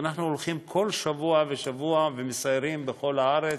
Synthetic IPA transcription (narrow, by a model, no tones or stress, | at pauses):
anaχnuolχimkʰo̞lʃavuaveʃavuavemesaeɾimbeχo̞laaɾe